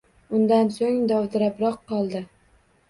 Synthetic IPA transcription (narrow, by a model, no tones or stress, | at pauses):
ʊnd̪ansoŋd̪ɒwd̪ɪɾapɾɒqːɒlˠd̪ɪ